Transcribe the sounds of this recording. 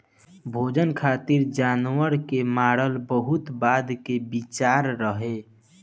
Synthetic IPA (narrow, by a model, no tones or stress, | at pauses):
bʱoːd͡ʒənkʰaːt̪iɾd͡ʒaːnwəɾkemaːɽəlbəɦʊt̪baːd̪kebit͡ʃaːɾːəɦe